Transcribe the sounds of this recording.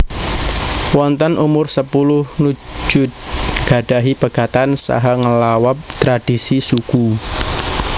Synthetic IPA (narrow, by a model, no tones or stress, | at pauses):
wɔnt̪ənʔumʊrsəpulʊhnu̥d͡ʒʒ̥ʊt̪̚ɡ̥a̤ɖ̥aɦipaɡ̥at̪ansa̰ɦaŋəlawap̚t̪ɾad̥isisuku